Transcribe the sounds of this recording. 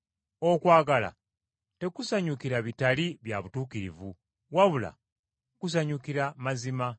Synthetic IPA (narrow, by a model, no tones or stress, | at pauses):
o̞kwaːɡala̰ | te̞kusaɲukiɾaβitaliβjaβutuːkiɾḭvu | waβula̰ | kus̬aɲukiɾamazima